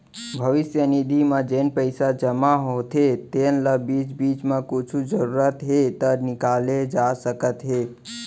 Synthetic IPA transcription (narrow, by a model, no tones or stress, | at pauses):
bʱəʋisjənid̪ʱimad͡ʒenpəɪsad͡ʒəmaɦot̪ʰet̪enləbit͡ʃbit͡ʃmekut͡ʃʰud͡ʒəɾuɾət̪ɦet̪ənikaled͡ʒasəkət̪ɦe